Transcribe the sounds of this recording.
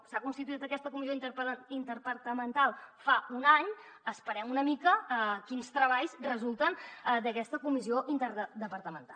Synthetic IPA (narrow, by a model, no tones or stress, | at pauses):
sakunst̪it̪uit̪əkɛst̪əkumizioint̪əpint̪əɾpəɾt̪əmənt̪alˠfaunaɲəspəɾɛmunəmikəəkinst̪ɾəβaʎzrəzulˠt̪ənd̪əkɛst̪əkumizioʔint̪əɾəd̪əpəɾt̪əmənt̪a